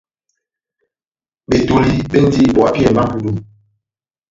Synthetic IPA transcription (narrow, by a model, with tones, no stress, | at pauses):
ɓe˨to˨li˦ɓe˦n˦di˦˨ɓɔ˨a˦ke˦ɛ˨m˨ba˦pu˦du˦˨